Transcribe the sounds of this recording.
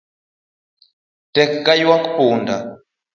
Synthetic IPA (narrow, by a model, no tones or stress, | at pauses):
tɛkːajwaku̥puːnda